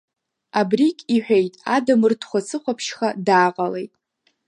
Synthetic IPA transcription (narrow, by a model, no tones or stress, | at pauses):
abrikʲʼiħʷᶣejtʼadamɨrtʰχʷat͡sʰɨχʷapʰʃχadaːqʼalejtʼ